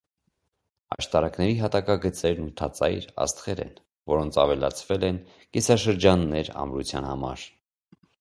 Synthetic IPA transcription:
ɑ̰ʃt̪ɑɾɑknɛɾiɦɑt̪ɑkɑɡət͡sɛɾnut̪ʰɑt͡sɑjɾɑ̰st̪χɛɾɛ̰n | vɔɾɔnt͡sʰɑvɛlɑ̰t͡sʰvɛlɛn | kisɑʃəɾd͡ʒɑnːɛɾɑ̰mɾut͡sʰjɑ̰nhɑmɑ̰ɾ

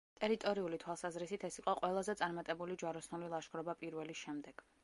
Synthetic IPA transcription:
t̪ʼɛɾit̪ʼɔɾiulit̪ʰwalˠsazɾisit̪ʰɛsiqʼɔqʼwɛlˠazɛt̪sʼaɾmat̪ʼɛbulid͡ʒwaɾɔsnulilˠaʃɡɾɔbapʼiɾvɛlisʃɛmd̪ɛɡ̥

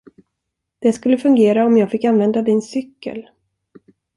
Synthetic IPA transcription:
d̪̥ɛskɵlːəfɵŋɡeːɾaɔmjɑːɡfɪkːanvɛnd̪ad̪ɪnsʏkːə̰l

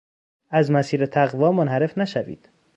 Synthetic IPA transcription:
æzmæsiːɾet̪ʰæɣvɒːmonhæɾe̞fnæʃævḭːd̪̥

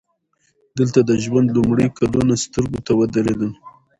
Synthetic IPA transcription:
d̪əlt̪ad̪əʒwand̪lumɽəjkalunast̪əɾɡot̪awəd̪əɾed̪əl

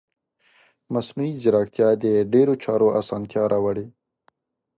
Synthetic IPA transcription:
masnuizɪɾɑk̚t̪jɑd̪əɖeɾot͡ʃɑɾoʔasɑnt̪jɑɾʔɑwaɽe

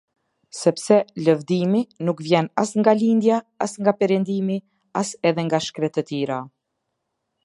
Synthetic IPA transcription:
sɛpsɛləvd̪iminukvjɛnasŋɡalind̪jaasŋɡapɛɾɛnd̪imi | asɛðɛŋɡaʃkɾɛt̪ət̪iɾa

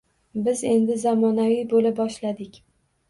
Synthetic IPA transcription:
bɪze̞nd̪ɪzamɒnavijbolɪbɒʃlad̪ɪkʲ

